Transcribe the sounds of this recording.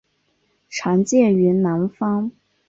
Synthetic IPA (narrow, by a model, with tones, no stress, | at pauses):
ʈ͡ʂʰɑ˧˥ŋt͡ɕjɛ˥˩y˧˥na˧˥nfɑ˥ŋ